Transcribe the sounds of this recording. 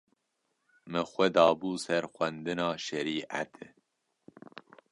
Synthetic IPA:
mɨxʷɛd̪ɑːbuːsɛɾxʷɛnd̪ɨnɑːʃɛɾiːʔa̰t̪ʰ

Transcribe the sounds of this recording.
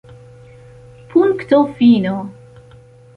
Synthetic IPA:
puŋkt̪ofino

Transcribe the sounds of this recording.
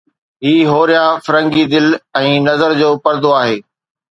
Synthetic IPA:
ɦiːɦoːɾijãfɐɾə̃ŋɡid̪ɪlɛ̃ːnɐzəɾd͡ʑoːpɐɾd̪oaːɦeː

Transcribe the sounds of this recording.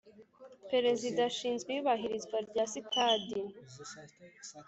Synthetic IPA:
peɾe̞zidaʃiːnzɡiːβaɦiɾizɡwaɾɟaːsitadin

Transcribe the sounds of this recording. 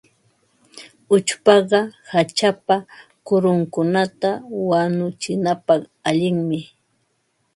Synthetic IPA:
ʊt͡ʃpɑɢɑhat͡ʃapa | kʊɾʊŋkʊnat̪awanʊt͡ʃɪnapɑχaʎɪŋmɪ

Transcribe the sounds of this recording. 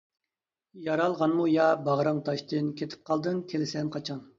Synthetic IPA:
jɑɾɑlˠʁɑnmujɑbɑʁɾɑŋt̪ʰɑʃt̪ɨnkʲʰet̪ʰɪ̥p̚qʰɑlˠd̪ɨŋkʲʰelɪsɛnqʰɑt͡ʃʰɑn

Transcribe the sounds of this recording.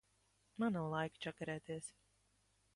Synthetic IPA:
manawlˠajkt͡ʃakaɾɛːt̪eɛs

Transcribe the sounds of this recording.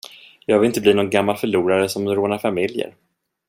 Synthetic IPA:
jɑːɡvɪlɪnt̪əbliːnɔnɡamːalfœɭuːɾaɾəsɔmɾoːnaɾfamɪljə̰ɾ

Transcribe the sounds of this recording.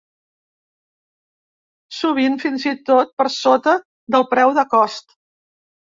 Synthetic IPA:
suβ̞infinzit̪ot̪̚pəɾsot̪ə | d̪əlˠpɾɛwðəkɔst̪

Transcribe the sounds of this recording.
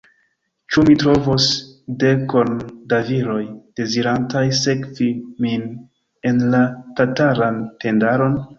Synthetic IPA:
t͡ʃumitɾo̞vosde̞ko̞ndaviɾo̞jd̥e̞ziɾantajse̞kvimin | e̞nlatataɾante̞ndaɾo̞n

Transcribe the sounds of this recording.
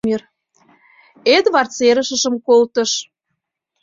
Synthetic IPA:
er | ed̪βɑrt͡seɾə̆ʃə̆ʃə̆mkolt̪ə̆ʃ

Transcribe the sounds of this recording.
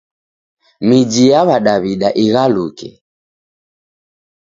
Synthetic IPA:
mid͡ʒijaβaɗaβiɗaʔiɣalukɛ̰

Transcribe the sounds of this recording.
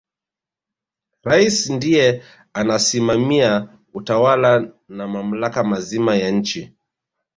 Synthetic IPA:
ɾaisndijɛ | anasimamia | utawala | namam̩lakamazimajaɲ̩t͡ʃi

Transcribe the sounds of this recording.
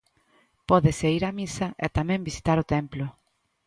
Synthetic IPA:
pɔðɪseiɾamisaʔet̪amɛ̃mbisi̥t̪aɾʊt̪emplʊ

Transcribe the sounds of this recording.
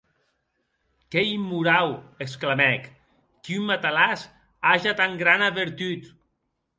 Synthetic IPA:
kɛimːuɾaweksklamɛkː | iumːat̪alas | aʒat̪aŋɡɾanaβeɾt̪yt̪

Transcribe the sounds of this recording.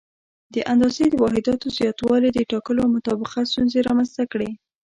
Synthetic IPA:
d̪əʔand̪ɑzed̪əwɑɦɪd̪ɑt̪ozjɑt̪wɑled̪əʈɑkəloawmʊt̪ɑbɪqast̪unzeɾɑmanzt̪akɽe

